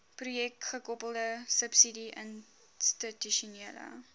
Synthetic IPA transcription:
prujɛk̚tχəkɔpəlˠdəsəpsidiʔən | stətyʃuniələ̰

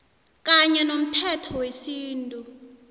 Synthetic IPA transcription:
k̬ʼaɲɛnom̩tʰɛtʰɔwesiːntʼu

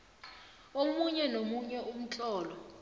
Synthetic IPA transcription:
omuɲɛnomuɲɛʔum̩t͡ɬʼɔːlɔ

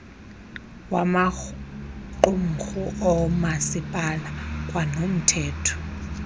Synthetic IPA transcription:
wama | ǃum̩xuʔɔmasipʼalakʼwanom̩tʰɛːtʰɔ̥

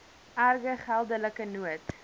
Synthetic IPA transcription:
ʔærɡəχælˠdələkənuət

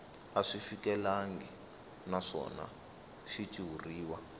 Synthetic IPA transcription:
aʂifikɛlaŋɡi | naʂɔ̰na̰ | ʃit͡ʃʼiwuriːwa

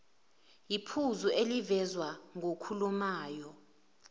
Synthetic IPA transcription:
jipʰuzuʔelivɛzwaŋokʰulumaːjɔ

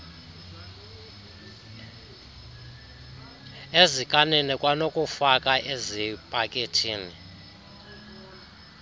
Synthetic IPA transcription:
ezikʼanɛnɛkʼwanokʼufakʼaʔezipʼakʼetʰiːni

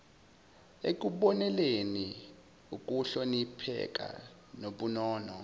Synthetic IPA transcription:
ek̬ʼuɓɔnɛleni | uk̬ʼuɬonipʰɛ̰k̬ʼa̰ | noɓunɔːnɔ

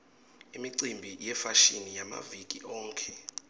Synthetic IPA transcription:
imiǀimbʱijɛfaʃinijama̰vik̬ʼiʔɔːŋkʰʼɛ

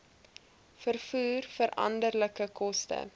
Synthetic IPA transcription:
fərfuːrfəɾʔɐ̰ndərləkəkʰɔstə̰

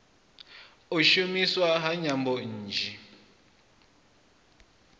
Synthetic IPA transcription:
oʃumiswaɦaɲambɔn̩ːd͡ʒʱi

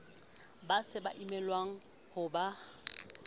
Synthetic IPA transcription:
basɪbaʔimɛlwaŋ̩ | hʊba

